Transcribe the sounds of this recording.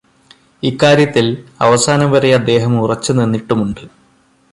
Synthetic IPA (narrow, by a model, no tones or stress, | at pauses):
ikːaːɾjɐt̪ːilɐ̰ʋɐsaːnɐbɐɾɐjɐd̪ːe̞ːɦɐmurɐt͡ɕːunenːiʈːumuɳɖɨ